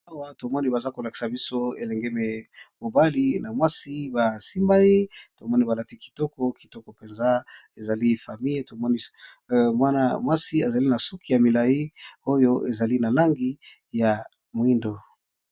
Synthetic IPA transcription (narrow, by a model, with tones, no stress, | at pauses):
a˦wa˦to˨mɔ˦ni˦ba˨za˦ko˨la˨ki̥˨sa˨bi˦so˦ḛ˨lɛ˨ŋɡe˦me˨mo˨ba˦li˦na˨mwa˦si˦ba˨si˦mba˦i˦to˨mɔ˦ni˦ba˨la˦ti˦ki̥˨tɔ˦kɔ˦ki̥˨tɔ˦kɔ˨pe˨nza˦e˨za˨li˦fa˨mi˦je˦to˨mɔ˦ni˦ | mwa˦na̰˦mwa˦si˦a˨za˨li˦na˨su˦ki˨ja˨mi˨la˨ji˦o˦jo˦ʔe˨za˨li˦na˨la˦ŋɡi˦ | ja˨ | mwi˦ndo˨